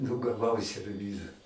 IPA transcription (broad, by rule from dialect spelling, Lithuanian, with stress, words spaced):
nʊ ɡɐˈʋɐʊ sʲɛrʲˈʋʲiːzɐ